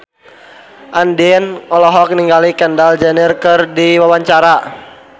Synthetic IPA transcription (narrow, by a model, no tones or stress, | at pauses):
ʔandiɛnɔlɔɦɔk̚niŋɡalikɛndald͡ʒɛnirkərdiwawaɲt͡ʃaɾa